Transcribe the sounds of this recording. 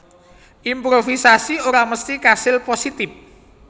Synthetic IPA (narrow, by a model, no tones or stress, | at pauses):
ʔimpɾofisasioɾaməst̪ikasɪlposit̪ɪp̚